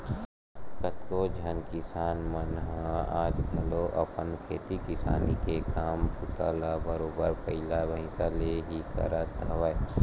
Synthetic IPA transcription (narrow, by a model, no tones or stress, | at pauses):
kət̪kod͡ʒʱənkɪsaːnmənɦãaːd͡ʒbʱɐloʔɐpənkʰeːt̪ikɪsa̰ːnikekaːmpʊt̪aːlabəɾoːbəɾpəɪlabʱəɪsaleɦikə̰ɾət̪ɐʋəe